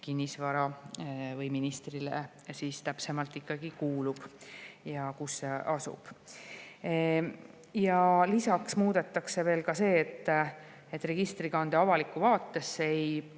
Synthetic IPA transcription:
kinʲːisvɑɾɑvɤjminist̪rilḛ | sist̪æpse̞mɑlt̪ˑikːɑɡ̥ikuːlub̥jɑkusːe̞ɑsṵb̥ | jɑlisɑksmuːd̪̥e̞t̪ːˑɑkse̞ve̞ːlkɑse̞ːt̪ː | e̞t̪ːˑre̞ɡ̥ist̪riɡ̥ɑnd̪̥eɑvɑlikːˑuvɑːt̪ːe̞sːej

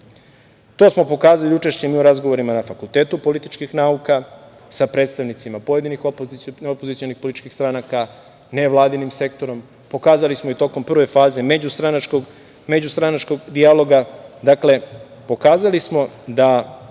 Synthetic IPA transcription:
t̪o̞ːsmo̞po̞kaːzaliut͡ʃe̞ʃt͡ɕemiːuɾazɡo̞ʋo̞ɾimanafakulˠt̪e̞ːt̪upo̞lit̪it͡ʃkixnauka | sapɾet̪st̪aʋnit̪simapoje̞d̪inixopopozit̪sijo̞nixpolit̪it͡ʃkixst̪ɾanaka | ne̞ʋlˠaːd̪inimse̞k̚t̪o̞ɾo̞m | po̞kaːzalismoit̪o̞ko̞mpr̩ʋe̞faːze̞med͡ʑust̪ɾanat͡ʃkoɡ | me̞d͡ʑust̪ɾanat͡ʃko̞ɡd̪ialˠo̞ɡad̪akle̞po̞kaːzalismo̞d̪a

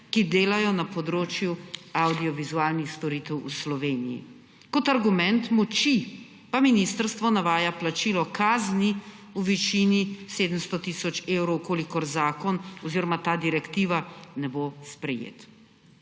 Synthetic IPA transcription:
kid̪eːlajɔnapɔd̪ɾoːt͡ʃjuawd̪iɔʋizuaːlnixst̪ɔɾit̪ɛwuslɔʋeːnḭjḭ | kɔt̪aɾɡumɛnt̪mɔt͡ʃi | paminist̪əɾst̪ʋɔnaʋaːjaplat͡ʃiːlɔkaːzni | uʋit͡ʃiniseːd̪əmst̪ɔt̪isɔt͡ʃeːwɾɔwkolikɔɾzaːkɔnɔziɾɔmat̪aːd̪iɾɛkt̪iːʋanɛbospɾɛjḛːt̪

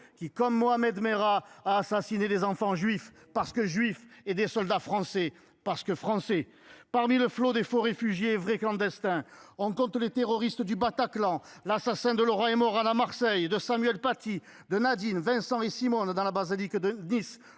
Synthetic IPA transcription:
kʲikɔmːoamɛd̪meʁaaːsasinelezɑ̃fɑ̃ʒɥif | paʁsə̥kəʒɥifed̪esɔld̪afχɑ̃sɛ | paʁsə̥kəfχɑ̃sɛ | paʁmiləflod̪efoʁefyʒjeːvʁeklɑ̃d̪ɛst̪ɛ̃ɔ̃kɔ̃t̪let̪eʁɔʁist̪əd̪ybat̪aklɑ̃lasasɛ̃d̪əlɔʁãemɔʁalamaʁsɛjd̪əsamyɛlpat̪i | d̪ənad̪invɛ̃sɑ̃esimɔnd̪ɑ̃labazilikd̪ənis

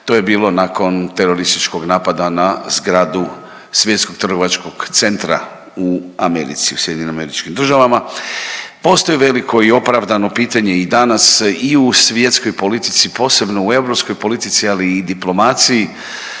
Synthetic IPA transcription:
t̪o̞je̞biːlo̞nako̞nt̪e̞ɾo̞ɾist̪it͡ʃko̞ɡnaːpad̪anazɡɾaːd̪u | sʋje̞t̪sko̞ɡ̚t̪ɾr̩ɡo̞ʋat͡ʃko̞ɡ̥t̪se̞nt̪ɾa̰ | uame̞̰ɾḭt̪siu̥sjd̪iɲename̞ɾit͡ʃkimd̪r̩ʒaʋama | po̞st̪o̞jiʋe̞likʰo̞io̞pɾaʋd̪ano̞piːt̪aɲe̞id̪anasiusʋje̞t̪sko̞jpo̞lit̪i̥t̪sipo̞ːse̞bno̞ue̞ʋɾo̞psko̞jpo̞lit̪it̪sialiːd̪iplo̞mat̪siji

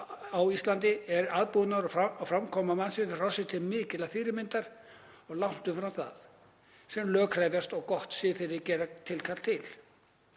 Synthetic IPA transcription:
awist̪lant̪ɪɛɾaðpuðnaɾɔfɾamkʰɔːmamansɪ̥rawsɪt̪ʰɪlmɪːcɪlafiːɾɪmɪnt̪aɾ̥ | ɔɣlawn̥t̪ʏmfɾawθa̰ð | sɛmlœːkʰɾajvjast̪ɔɣkɔht̪sɪθɪɾɪcɛːɾat̪ʰɪlkʰat̪t̪ʰɪl

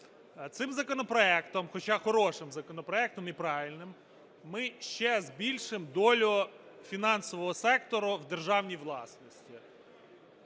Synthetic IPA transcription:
t̪sɪmzɐkɔnɔpɾɔɛkt̪ɔmxɔt͡ʃɑxɔɾɔʃɪmzɐkɔnɔpɾɔɛk̚t̪ɔmipɾɑʋʲilʲnɪmː | ɪʃt͡ʃɛzbʲilʲʃɪmd̪ɔlʲʊfʲinɑnsɔʋɔɦɔsɛk̚t̪ɔɾʊwd̪e̞rʒɑwnʲijʋlˠɑ̰snɔsʲtʲi

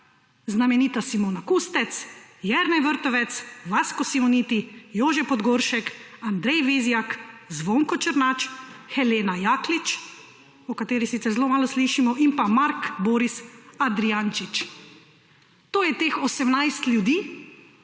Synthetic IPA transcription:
znamɛniːt̪asimoːnakust̪ɛt̪sjɛɾnɛjʋəɾt̪ɔʋɛt̪sʋaskɔsimɔniːt̪ijoːʒɛpɔd̪ɡoːɾʃɛkand̪ɾɛjʋeːzjakzʋoːŋkɔt͡ʃəɾnat͡ʃxɛleːnajaːklit͡ʃ | ɔkat̪eːɾisit̪ɛɾzloːmaːlɔsliʃimɔʔimpamaɾkboːɾisad̪ɾiant͡ʃit͡ʃ | t̪oːjɛt̪eːxɔsɛmnajst̪lʲjud̪iː

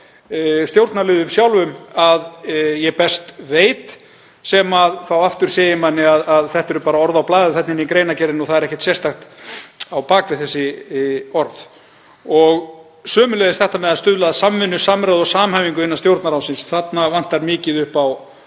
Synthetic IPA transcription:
st̪jowɾt̪naɾlɪːðʏmsjawlvʏmaðjɛpɛst̪veːjt̪ | sɛmaðθawaft̪ʏɾ̥seːjɪmanːɪaðaðθɛht̪ɛɾʏpaːɾaɔɾðawplaːðɪθɛt̪nɪnːikɾejnacɛɾɪnɔθaðɛɾɛhcɛt̪sjɛr̥st̪axt̪awpaːkvɪðθɛsːɪ | ɔɾθ | ɔɣ | sœːmʏlɛðɪst̪θɛht̪amɛðaðst̪ʏðlaðasamːɪnːʏsamɾaðɔsaːmhajviŋkʏɪnast̪jowɾt̪naɾhawsɪnsθat̪navan̥t̪aɾmɪːcɪðʏhpaw

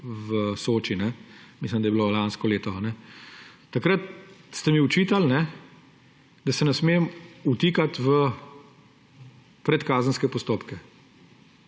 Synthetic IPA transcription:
ʋəsoːt͡ʃinɛmislimd̪ɐjbilolanskɔleːt̪ɔanɛ | t̪akɾɐt̪̚st̪ɛmiɔt͡ʃiːt̪alnɛ | d̪ɐsɛnɛsmeːmut̪iːkat̪ʋə | pɾɛt̪kaːzənskɛpɔst̪oːpkɛ

